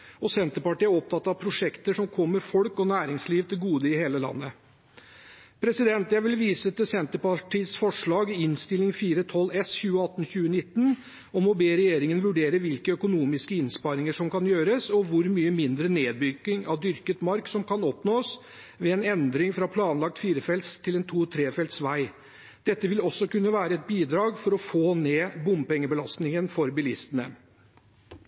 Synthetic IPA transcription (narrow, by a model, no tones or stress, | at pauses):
ɔsɛnt̪əɾpɑʈiːæɔp̚t̪ʰɑt̪ːɑʋpʰɾʊʂɛkt̪əʂɔmkʰɔmːəɾfɔlkɔnæːɾɪŋsliːʋt̪ʰɪlɡuːd̪əɪheːləlɑ̰nːə | pʰɾɛsɪd̪ɛnt̪jæɪʋɪlʋiːsət̪ɪlsɛnt̪əɾpɑʈiːsfɔʂɭɑːɡɪɪnst̪ɪlɪŋfiːɾət̪ʰɔlɛsçʉːəɑt̪ːn̩çʉːənɪt̪ːən | ɔmɔbeːɾɛjeːɾɪŋənʋʉɖeːɾəʋɪlkəœkʊnuːmɪskəɪnspɑɾɪŋəʂɔmkɑnjøːɾəsɔʋʊɾmyːəmɪnd̪ɾəneːd̪̚bʏɡɪŋɑʋd̪ʏɾkət̪mɑɾksɔmkʰɑnɔpnoːs | ʋɛɛnɛnd̪ɾɪŋfɾɑpʰlɑːnlɑk̚t̪fiːɾəfɛlt̪st̪ʰːɪlɛnt̪ʰuːt̪ʰɾeːfɛlt̪sʋæɪ | d̪̥ɛt̪ːəʋɪlɔsːɔkʉnːəʋæːɾəɛt̪̚biːd̪ɾɑːɡfɔɾɔfoːneːbʊmpɛŋːəbəlɑst̪nɪŋənfɔɾbɪlɪst̪ənə